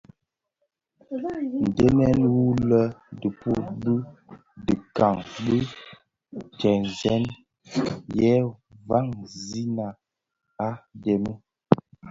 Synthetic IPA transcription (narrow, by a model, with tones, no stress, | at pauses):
n̩˨dɛ˦mɛ˦nwu˦lə˦də˨pu˦˨t̚bə˦ | də˨ka˨ŋbə˦ | t͡ʃɛ˨n˨zɛ˦n | jɛ˦va˦˨ŋzi˦na˨ | a˦dɛ˨mə˦